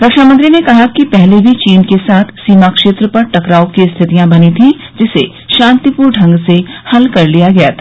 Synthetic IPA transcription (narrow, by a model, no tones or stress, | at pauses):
ɾɐkʃaːmə̃nt̪ɾinekɐɦakipɛɦlebʱit͡ʃiːnkesaːt̪ʰsiːmakʃeːt̪ɾəpɐɾʈɐkɾaːokist̪ʰɪt̪ijãbɐnit̪ʰĩ | d͡ʒɪse | ʃãːnt̪ipuːɾɖʰʱɐ̃ŋɡsehɐlkɐɾlijaɡɐjat̪ʰa